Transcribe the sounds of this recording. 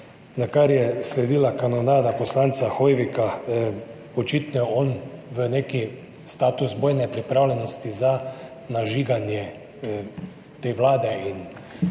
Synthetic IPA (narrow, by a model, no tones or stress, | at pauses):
nakaɾjɛslɛd̪iːlakanɔnaːd̪aposlant̪saxojʋika | ɔt͡ʃit̪nɔjɛɔnʋəneːki | st̪aːt̪uzboːjnɛpɾipɾawlʲɛnɔst̪iza | naʒiːɡanjɛ | t̪eːʋlaːd̪ɛin